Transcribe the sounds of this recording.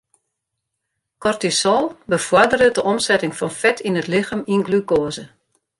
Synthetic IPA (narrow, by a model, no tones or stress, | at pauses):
kɔrtisɔlˠbəfɔdəɾədəʔɔmsɛtɪŋfɔnfɛtʰinətlɪxəminɡlykoəzə